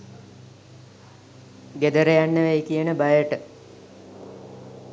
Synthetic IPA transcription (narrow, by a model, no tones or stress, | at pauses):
ɡed̪əɾejanːəʋejkijənəbajəʈə